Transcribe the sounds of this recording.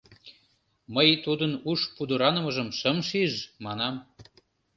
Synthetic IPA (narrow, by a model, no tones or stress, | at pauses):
məjt̪ud̪ənuʃpud̪əɾɑnə̆mə̆ʒə̆mʃəmʃiʒmɑnɑm